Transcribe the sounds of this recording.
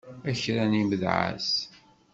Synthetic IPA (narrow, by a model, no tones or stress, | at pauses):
æçɾæniməðʕa̰s